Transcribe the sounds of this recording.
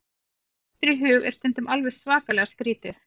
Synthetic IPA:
t̪ɾiɦʏːɣɛ̰ɾst̪ɛnt̪ʏmʔalvɛ̥svaːkalɛɣaskɾiːt̪ɪɾ̥

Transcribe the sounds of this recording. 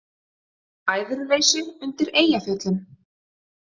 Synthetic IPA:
aːjðʏɾveːjsʏʏnt̪ɪɾeːjafjœt̪lʏm

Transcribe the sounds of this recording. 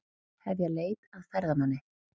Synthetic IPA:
hɛvjaɣleːjt̪aðfaɾðamanːɪ

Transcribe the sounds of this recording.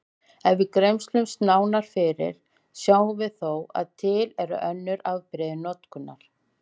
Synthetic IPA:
ɛnvɪðkɾejmst̪lʏmst̪naːwnaɾ̥fɪɾɪ̰ɾ̥ | sjaːwvɪðθowa̰ðt̪ʰɪːlɛɾʏ̰ʔœnːʏɾaðpɾɪðɪnɔt̪kʏnːa̰ɾ̥

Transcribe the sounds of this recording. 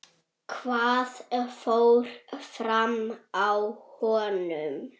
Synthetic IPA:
kʰvaːðfowɾ̥fɾamawhɔːnʏm

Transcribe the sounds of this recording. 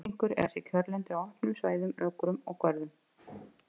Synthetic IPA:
iŋ̥kʏɾɛ̰sɪcʰœɾlɛnt̪ɪawahpnʏmsvaːjðʏmœːkɾʏmɔɣkʰvœɾðʏm

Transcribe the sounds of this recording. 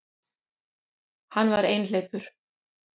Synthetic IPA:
hanːvaɾeːjnleːjpʏɾ̥

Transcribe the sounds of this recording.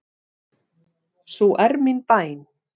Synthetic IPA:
sɔʔɛɾminpaːjn

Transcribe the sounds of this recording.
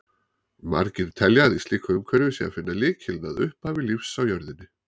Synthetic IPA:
ma̰ɾcɪɾ̥t̪ʰɛljaðist̪liːkʰaʏmkʰvɛɾvɪsia̰fɪnːalɪːcʰɪlnaðʏ̰hphavɪlifsawjœɾðɪnːɪ

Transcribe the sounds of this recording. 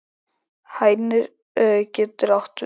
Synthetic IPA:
haːjnɪɾ | cɛːt̪ʏɾawht̪

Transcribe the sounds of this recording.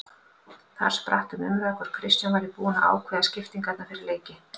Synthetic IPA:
θa̰ɾ̥spɾa̰ht̪ʏmʏ̰mɾaðɛhkvɛɾ̥kʰɾɪst̪janvaɾɪpuːna̰ʔa̰ːwkʰvɛːðascɪft̪iŋkat̪nafɪɾɪɾleːjcɪ

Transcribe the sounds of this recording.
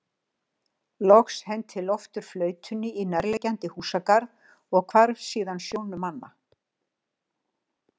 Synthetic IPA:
lɔxshɛnt̪ʰːɪlɔft̪ʏɾ̥flœːɥt̪ʰʏnːɪinɛɾlɛcant̪ɪhuːsakaɾ | ɔɣkʰvaɾvsiːðansjownʏmanːa̰

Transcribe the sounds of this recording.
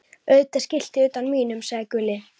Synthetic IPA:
œːɥt̪ḁscɪl̥t̪ɪʏːt̪anmiːnʏmsaɣðɪkʏlːɪ

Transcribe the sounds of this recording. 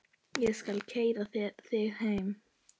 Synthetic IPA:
jɛskalcʰeːjðaθɪð̥hejm

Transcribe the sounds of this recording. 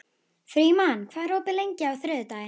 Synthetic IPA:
fɾiːmankʰvaːðɾ̥owpɪlejɲcɪawθɾʏːðʏt̪aːjɪn

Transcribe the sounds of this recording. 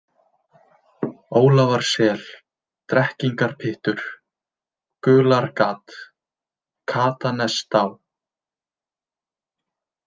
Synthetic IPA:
oːwlavaɾ̥sɛːl | t̪ɾɛhciŋkaɾ̥pʰɪht̪ʏɾ̥ | kʏːlaɾkaːt̪ | kʰaːt̪anɛst̪aw

